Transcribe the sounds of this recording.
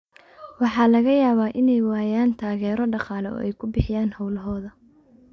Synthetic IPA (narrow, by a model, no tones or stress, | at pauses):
wɑħɑːlɐɣɐjaːβaːʔɪnɛjwaːjaːnt̪ʰaːɣɛːɾɔɖɑqɑːlɛɔ̰ːʔɛjkʰʊbɪħɪjaːnhɐwlɐɦɔːðɐ